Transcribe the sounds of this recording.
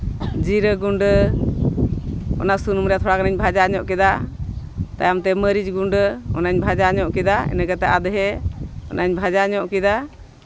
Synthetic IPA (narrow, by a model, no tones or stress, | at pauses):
d͡ʒiɾəɡuɳɖə | ɔ̰naʔsunumɾɛjat̪ʰɔɽakanaɲbʱad͡ʒaɲɔʔkɛd̪a | t̪a̰jamt̪ɛməɾid͡ʒɡuɳɖəɔ̰naɲbʱad͡ʒaɲɔʔkɛd̪aɛ̰nəɡat̪ɛʔad̪əɦɛɔ̰nʔaɲbʱad͡ʒaɲɔʔkɛd̪a